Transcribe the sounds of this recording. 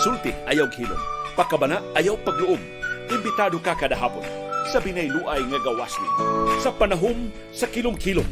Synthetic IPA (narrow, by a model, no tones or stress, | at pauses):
sult̪ɪʔɐjawhilo̰mpɐkɐbɐnaʔɐjawpɐɡ̚lʊʔom | ʔɪmbɪt̪aːd̪okakad̪aɦa̰ːpʊ̰n | sɐbinajluːʔɐjŋɐɡɐwa̰slɪ̰nsɐpanaɦʊm | sɐkilʊmkilo